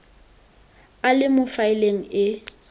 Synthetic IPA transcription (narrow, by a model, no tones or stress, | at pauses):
alɪmʊfaɪleŋ̩ɪ